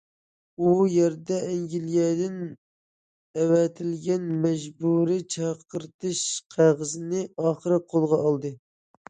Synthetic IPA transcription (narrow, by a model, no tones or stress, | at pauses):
ujɛɾd̪ɛɛŋɡʲiljɛd̪ɪn | ɛwɛt̪ʰɪlɡʲɛnmɛʒbuɾit͡ʃʰɑqəɾt̪ʰɨʃqʰæʁəzɨnɨɑːχəɾɨqʰolˠʁɑɑlˠd̪ɨ